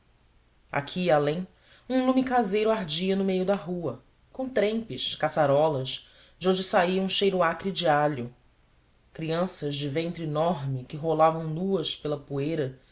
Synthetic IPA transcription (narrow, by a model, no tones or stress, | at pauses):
a̰kʰiːalẽj̃ | ũlumikazejɾʊaɾd͡ʒiɐnʊmejʊd̪ɐɦuɐ | kõt̪ɾẽj̃pɪʃkasaɾɔlɐʃ | d͡ʒõñd͡ʒɪsaiɐ̃ũʃejɾuakɾid͡ʒiaʎʊ | kɾiɐ̃sɐʒd͡ʒɪvẽnt̪ɾinɔɾmɪkɪɦolavɐ̃w̃nuɐspelɐpuejɾɐ